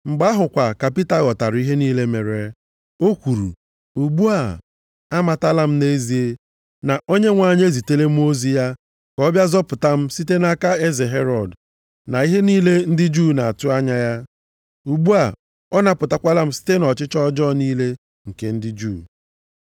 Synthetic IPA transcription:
ŋ͡m̩˨ɡ͡ba˦ɦʊ˨kʷa˨ka˨pi˦ta˦˨ɣɔ˨ta˨ɾi˦ɦe˦niː˦le˦me˨ɾe˨ | o˦kʷu˨ɾṵ˨ | u˨ɡ͡bu˦a˨ | a˦ma˨ta˦la˦m̩˦ne˦zi˨e˦ | na˨ʔo˦ɲe˦ŋʷa˨ɲ˦e˦zi˨te˦le˦m̩˦o˦zi˦ja˦ | kɔ˦bja˦zɔ˦pʊ˨ta˦m̩˦si˦te˦na˦ka˦e˦ze˨ɦe˦ɾɔ˨d | na˨i˦ɦe˦niː˦le˦n̩˦dɪ˦d͡ʒuː˦˨na˨a˨tʊ˦a˦ɲa˦ja˦ | u˨ɡ͡bu˦a˨ | ɔ˦na˦pʊ˨ta˦kʷa˦la˦m̩˦si̥˦te˦nɔ˨t͡ʃɪ˦t͡ʃɔ˦d͡ʒɔ˦˨niː˦le˦ | ŋ̩˨ke˦n̩˦dɪ˦d͡ʒu˦˨

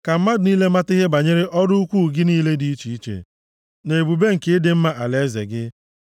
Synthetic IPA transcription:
ka˨m̩˦ma˦dniː˦le˦ma˦tɪ˦ɦe˦ba˨ɲe˦ɾe˦ʔɔ˦dʊ˦u˦kʷu˦˨ɡɪ˦niː˦le˦di˦i˦t͡ʃi˨i˦t͡ʃḛ˨ | ne˨e˨bu˨be˦ŋ̩˨ke˦dɪ˨m̩˦ma˦ʔa˨le˦zḛ˨ɡɪ˦

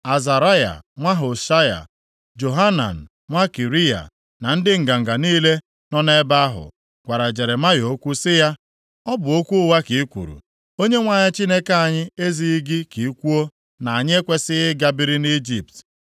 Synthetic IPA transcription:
a˨za˨ɾa˦ja̰˨ŋʷa˦ɦo˨ʃa˦ja̰˨ | d͡ʒo˨ɦa˦na̰˨n̩˨ | ŋʷa˦ki˨ɾi˦ja̰˨ | na˨n̩˦dɪ˦ŋ̩˨ɡa˨ŋ̩˨ɡa˨niː˦le˦ | nɔ˦ne˦ba˦a˦ɦʊ̰˨ | ɡ̥ʷa˨ɾa˨d͡ʒe˨ɾe˨ma˦jo˨˦kʷu˦sɪ˦ja˦ | ɔ˦bʊ˨o˦kʷu˦ʊ˦wa˦ki˨i˦kʷṵ˨ɾṵ˨ | o˦ɲe˦ŋʷa˨ɲɪ˦t͡ʃi˦ne˦ka˦a˨ɲɪ˦e˦zi˨i˦ɡɪ˦ki˨˦kʷu˦o˦ | na˨a˨ɲɪ˦e˦kʷe˦sɪ˦ɣɪ˦ɡa˦bi˦ɾi˦ni˦d͡ʒi˨p̚t

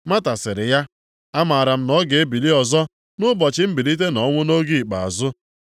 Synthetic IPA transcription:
ma˦ta˨sɪ˨ɾɪ˨ja˦ | a˦ma˨ɾa˨m̩˦nɔ˦ɡe˨e˦bi˨li˦ɔ˨zɔ˦ | nʊ˦bɔ˨t͡ʃɪ˦m̩˦bi˨li˦t̬e˦nɔ˦ŋʷʊ˦no˦ɡi˦i˨k͡pa˨a̰˨zʊ˦

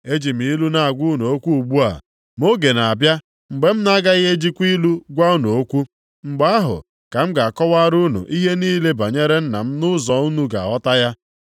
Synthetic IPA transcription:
e˦d͡ʒi˨m̩˨i˦lu˦na˨a˨ɡʷu˦no˨o˦kʷu˦u˨ɡ͡bu˦a̰˨ | m˦o˦ɡe˨na˨a˨bja˦ | ŋ͡m̩˨ɡ͡be˨m̩˦n˦a˦ɡa˦ɣe˦d͡ʒi˦kʷi˦lu˦ɡʷa˦u˦nu˨o˦kʷu˦ | ŋ͡m̩˨ɡ͡ba˦a˦ɦʊ̰˨ | ka˨m̩˦ɡa˨a˨kɔ˦wa˦ɾu˦nṵ˨ʔi˦ɦe˦niː˦le˦ba˨ɲe˦ɾe˦n̩˦na̰˨m̩˦nʊ˦zɔ˨˦u˦nu˦ɡa̰˨ɔ˦ta˦ja˦

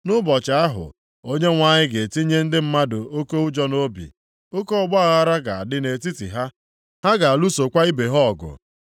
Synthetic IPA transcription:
nʊ˦bɔ˨t͡ʃa˨a˦ɦʊ̰˨ | o˦ɲe˦ŋʷa˨ɲɪ˦ɡe˨ti˦ɲe˦n̩˦dɪ˦m̩˦ma˦dʊ˨ʔo˦ko˦u˦d͡ʒɔ˦no˦bḭ˨ | o˦ko˦ɔ˦˨ɡ͡ba˦a˨ɣa˦ɾa˦ɡa˨a˨dɪ˦ne˨t̬i˦tḭ˨ɦa˦ | ha˦ɡa˨a˨lu˦so˨kʷa˦i˦be˨ɦɔ˦˨ɡʊ̰˨

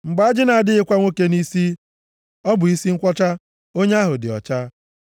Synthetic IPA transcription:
ŋ͡m̩˨ɡ͡ba˨a˦d͡ʒɪ˦na˨a˨dɪ˦ɣɪ˦kʷa˦ŋʷo˦ke˦ni˦si˦ | ɔ˦bʊ˨i˦si˦ŋ̩˦kʷɔ˦t͡ʃa˦ | o˦ɲe˦a˦ɦʊ˨dɪ̰˨ɔ̰˨t͡ʃa˦

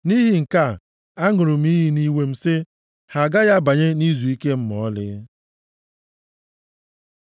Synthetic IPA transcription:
ni˦ɦi˨ŋ̩˨ka˦˨ | a˦ŋʊ˨ɾʊ˨m̩˦i˦ɦi˦ni˦we˨m̩˨sɪ˦ | ha˨ɡa˦ja˦ba˨ɲe˦ni˦zu˨i˦ke˦m̩˦mɔ˨˦lɪ̰˦

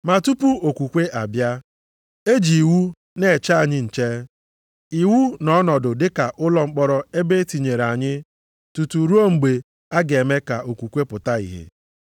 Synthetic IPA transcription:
ma˨tu˦pu˦o˨kʷu˨kʷe˦ʔa˨bja˦ | e˦d͡ʒi˨i˨wu˦ | ne˨t͡ʃa˦a˨ɲɪ˦n̩˨t͡ʃe˦ | i˨wu˦nɔ˦nɔ˨dʊ˨dɪ˦ka˨ʔʊ˦lɔ˨ŋ͡m̩˦k͡pɔ˦ɾɔ˦e˦be˦ti˨ɲe˨ɾa˨ɲɪ˦ | tu˨tu˨ɾu˦o˦ŋ͡m̩˨ɡ͡be˨ | a˦ɡe˨me˦ka˨ʔo˨kʷu˨kʷe˦pʊ˨ta˦ḭ˨ɦḛ˨

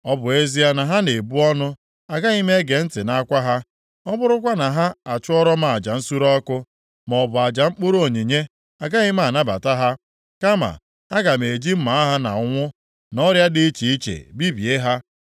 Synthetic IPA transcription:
ɔ˦bʊ˨e˦zi˦a˦na˨ɦa˦ne˨bu˦ɔ˦nʊ˦ | a˨ɡa˦ɣi˦me˦ɡe˨n̩˦tɪ˨na˨a˦kʷa˦ɦa˦ | ɔ˦bʊ˦ɾʊ˦kʷa˦na˨ɦa˦a˨t͡ʃʊ˦ɔ˦ɾɔ˦ma˨a˨d͡ʒa˨n̩˦su˦ɾɔ˦kʊ˦ | m˨ɔ˨bʊ˨a˨d͡ʒa˨ŋ͡m̩˦k͡pʊ˦ɾo˦˨ɲi˨ɲe˦ | a˨ɡa˦ɣɪ˦m˦a˦˨na˦ba˨ta˦ɦa˦ | ka˦ma̰˨ | a˦ɡa˨m˨e˨d͡ʒi˦m̩˦ma˨˦a˦ɦa˦na̰˨˦ŋʷʊ˦ | nɔ˦ɾja˦dɪ˦i˦t͡ʃi˨i˦t͡ʃḛ˨bi˦bje˦ɦa˦

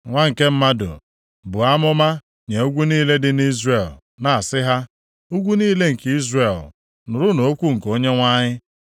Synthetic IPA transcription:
ŋʷa˦ŋ̩˨ke˦m̩˦ma˦dʊ̰˨ | bʊ˨a˦mʊ˦ma˦ | ɲe˨o˦ɡʷu˦niː˦le˦dɪ˦ni˦zre˨l | na˨a˨sɪ˦ɦa˦ | u˦ɡʷu˦niː˦le˦ŋ̩˨ki˦zre˨l | nʊ˨ɾʊ˦no˨o˦kʷu˦ŋ̩˨ko˦ɲe˦ŋʷa˦ɲɪ˦

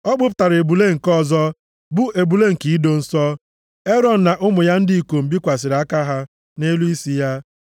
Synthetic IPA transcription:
ɔ˦ɡ͡bʊ˦p̬ʊ̥˨ta˨ɾe˨bu˨le˦ŋ̩˨kɔ˦˨zɔ˦ | bʊ˦ʔe˨bu˨le˦ŋ̩˨ki˨˦do˨n̩˨sɔ˦ | e˦ɾɔ˨n̩˨na˨ʔʊ˦mʊ˨ja˦n̩˦di˦i˨ko˨m̩˨bi˦kʷa˨s̬ɪ˨ɾa˦ka˦ɦa˦ | ne˦lu˦i˦si˦ja˦

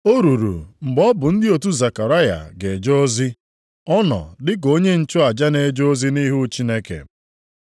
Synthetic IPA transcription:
o˦ɾu˨ɾṵ˨ŋ͡m̩˨ɡ͡bɔ˦bʊ˨n̩˦dɪ˦o˨tu˦za˨ka˨ɾa˦ja̰˨ɡe˨d͡ʒɔ˦o˦zi˦ | ɔ˦nɔ̰˨dɪ˦k̬o˦ɲe˦n̩˨t͡ʃʊ˦a˨d͡ʒa˦ne˨d͡ʒo˦o˦zi˦ni˦ɦu˦t͡ʃi˦ne˦kḛ˨

